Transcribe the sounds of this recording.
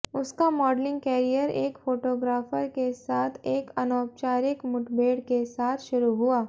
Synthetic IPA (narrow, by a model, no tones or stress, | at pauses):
ʊskamɔːɖlɪ̃ŋɡkɛːɾijəɾeːkfoːʈoːɡɾaːfəɾkesaːt̪ʰeːkɐnɔːp̚t͡ʃaːɾɪkmʊʈbʱeːɽkesaːt̪ʰʃʊɾuɦʊaː